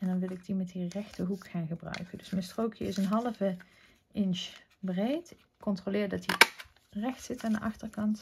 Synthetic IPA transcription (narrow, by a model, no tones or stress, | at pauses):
ɛndɑnʋɪlˠɪɡ̚dimɛtirɛxtəɦukχaːnχəbrœ̰ɥkəndɵsmɛnstrowkʰjəɪsənɦɑlˠəvə | ɪnt͡ʃbrejtɪkːɔntrolɪːɹdɑti | rɛxtsɪtandəʔɑχtərkɑnt